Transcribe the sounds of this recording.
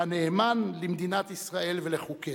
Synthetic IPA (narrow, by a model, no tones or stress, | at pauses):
aneːmanlimd̪inat̪isʁae̞lveleχuke